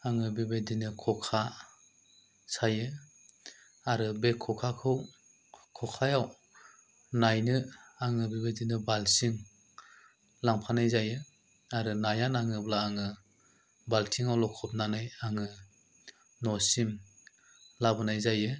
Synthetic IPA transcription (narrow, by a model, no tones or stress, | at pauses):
aŋɯbibedinɯkʰɔkʰa | sajɯ | aɾɯbekʰɔkʰakʰɯw | kʰɔkʰajaw | najnɯaŋɯbibedinɯbalsiŋ | laŋpʰanajzajɯ | aɾɯnajanaŋɯblaːŋɯ | baltʰiŋawlɔkʰɔp̚nanɯjaŋɯ | nɔsim | labɯnajzajɯ